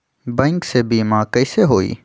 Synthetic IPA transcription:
bɛ̃ːŋksebiːmãːkəɪseɦoːḭː

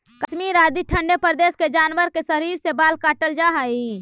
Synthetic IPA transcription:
kəʃmiɾaːd̪iʈʰə̃ɳɖepəɾd̪eːsked͡ʒaːnʋəɾkesəɾiːɾsebaːlkaːʈəld͡ʒaɦai

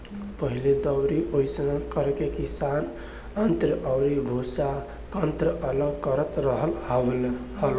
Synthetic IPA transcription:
pəɦiled̪əwɾiʔojsənkəɾkekisan | ənt̪ɾəʔəwɾibʱusa | kənt̪ɾəʔələɡkəɾət̪ɾəɦəlhlhəl

